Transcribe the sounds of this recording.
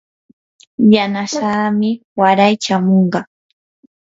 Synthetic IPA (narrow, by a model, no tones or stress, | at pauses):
janaʃaːmɪwaɾajt͡ʃamoɴɢɑ